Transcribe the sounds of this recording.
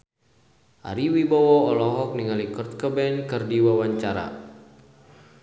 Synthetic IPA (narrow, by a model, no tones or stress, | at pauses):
ʔa̰ɾiwibawɔɔlɔɦɔk̚niŋalikɔrt̪̚kəbɛnkɨrdiwawaɲt͡ʃaɾa̰